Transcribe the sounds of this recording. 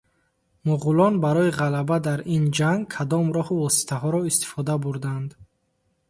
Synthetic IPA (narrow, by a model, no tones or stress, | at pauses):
muʁulɔnbaɾɔiʁalabad̪aɾind͡ʒaŋɡ̚kʰad̪ɔmɾɔhuvɔsi̥t̪ʰaɦɔɾɔist̪i̥fɔd̪abuɾd̪and̪